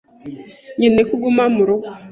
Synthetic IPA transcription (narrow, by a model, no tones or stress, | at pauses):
ɲenekuɡumamuɾo